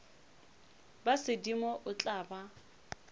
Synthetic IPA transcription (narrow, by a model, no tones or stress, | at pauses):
basɪdimɔʔʊt͡ɬʼaːba